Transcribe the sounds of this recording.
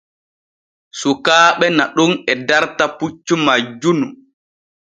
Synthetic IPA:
sukaːɓɛnaɗunɛdaɾtaput͡ʃːumad͡ʒːunu

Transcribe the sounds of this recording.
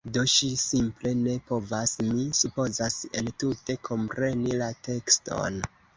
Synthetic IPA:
do̞ʃisimple̞ne̞po̞vasmisupo̞zase̞̰ltute̞kʰo̞mpɾe̞nilate̞ksto̞̰n

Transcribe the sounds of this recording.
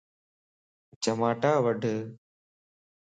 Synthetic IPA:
t͡ʃɐmaːʈaːʋɐɖʱɨ

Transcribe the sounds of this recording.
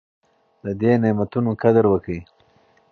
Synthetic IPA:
d̪əd̪enemat̪unokad̪əɾwəkəi

